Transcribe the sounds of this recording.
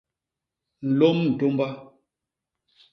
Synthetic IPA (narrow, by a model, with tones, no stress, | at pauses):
n̩˨lo˦mn̩˨to˦mba˦